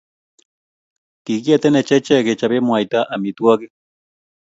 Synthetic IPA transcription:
t̪ikjat̪enet͡ʃet͡ʃeket͡ʃabemuajt̪aʔamit̪uake

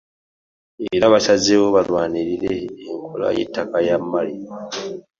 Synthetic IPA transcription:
eβilaβasazewoβalwaːniɾiɾeːŋkʰola̰jḛtːakajamːali

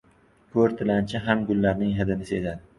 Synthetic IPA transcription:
kʰɵɾt̪ʰɪlant͡ʃʰɪɦamɡʊlːaɾnɪŋɦɪd̪ɪnɪsezad̪ɪ

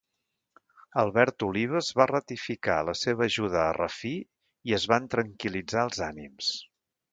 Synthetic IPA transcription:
əlˠβɛɾt̪uliβ̞əzβarət̪ifika̰ləseβəːʒuðəːrə̰fi | iəzβant̪ɾəŋkilid͡zaəlˠzanims

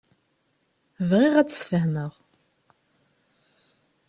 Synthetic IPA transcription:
vʁiʁæt͡ssfəhnəʁ

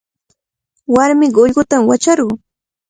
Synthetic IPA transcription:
waɾmɪɢoʎɢʊt̪amwat͡ʃaɾɢʊ

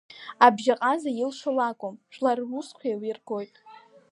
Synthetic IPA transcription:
abʒaqʼazajɪlʂolakʷʼomʃʷlarusqʷʰalirɡo̞jtʼ

